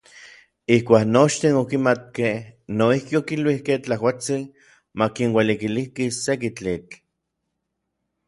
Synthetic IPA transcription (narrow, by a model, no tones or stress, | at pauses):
ihkʷaːknot͡ʃt̪inokimat̪̚kehnoihkiokilwihkeht͡ɬaɦwat͡si | makinwelikilihkisek̬it͡ɬit͡ɬ